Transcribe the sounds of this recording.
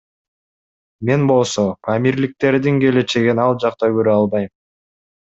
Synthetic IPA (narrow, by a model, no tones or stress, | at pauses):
me̞nbo̞lˠso̞kʰamʲiɾlik̚t̪e̞ɾd̪iŋɡe̞le̞t͡ʃe̞ɡinɑlˠd͡ʒɑqt̪ɑɡøɾøɑlˠβɑjm